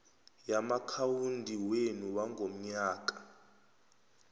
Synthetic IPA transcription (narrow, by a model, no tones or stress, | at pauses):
jamakʰawundʱiwenuwaŋɡʱom̩ɲaːk̬ʼḁ